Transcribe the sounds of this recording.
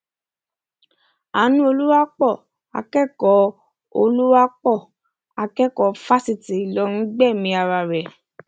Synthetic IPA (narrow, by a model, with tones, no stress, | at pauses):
a˨˦nũ˦o˧lu˦wa˦k͡pɔ˦˨ | a̰˧kɛ˦˨kɔ˨˦ | o̰˧lu˦wa˦k͡pɔ˦˨ | a˧kɛ˦kɔ˧˨fa˦si˦˨ti˨i˨lɔ˧˦n̩˦ɡ͡bɛ˦˨mĩ˧a˧ɾa˧ɾɛ˨